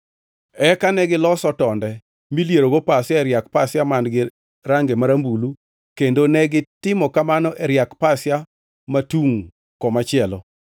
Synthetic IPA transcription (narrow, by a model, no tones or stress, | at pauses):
ɛkanɛɡɪlɔsɔtɔndɛ | miljeɾoɡopasjaɛɾjak̚pasjamandɡɪ | ɾaŋɡemaɾambulu | kendonɛɡɪtɪmɔkamanɔʔɛɾjakpasja | matuŋ | kɔmat͡ʃɪɛlɔ